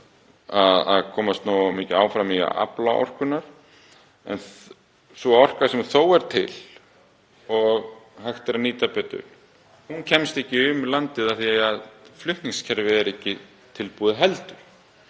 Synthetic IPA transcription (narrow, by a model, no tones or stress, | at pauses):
aða̰ðkʰɔːmast̪noːamɪːcɪaːwfɾamiɣa̰ʔa̰plaʔɔ̰r̥kʏnːaɾ̥ | ɛ̰nθ | svɔɔr̥kaɾ̥sɛmθoːwɛɾ̥t̪ʰɪl | ɔɣhajxt̪ɛɾaniːt̪apɛːt̪ʏ̰l | huncʰɛmst̪ɛhcːɪʏmlant̪ɪðaθiaaðflʏht̪nɪŋscʰɛɾvɪðɛɾɛhcːɪ | t̪ʰɪlpuːðɪɦɛlt̪ʏɾ̥